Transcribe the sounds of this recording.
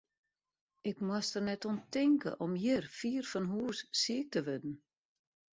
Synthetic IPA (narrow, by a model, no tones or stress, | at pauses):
ɪkmwastərnɛtontɪŋkə̰ʔɔmjɪrfiːrfɔnɦuːssiək̚təʋødn̩